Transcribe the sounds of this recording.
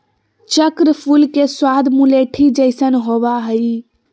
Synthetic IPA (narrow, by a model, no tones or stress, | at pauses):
t͡ʃəkɾfulkesʊwaːd̪mũleːʈʰid͡ʒɐɪsənɦoːʋaɦəiː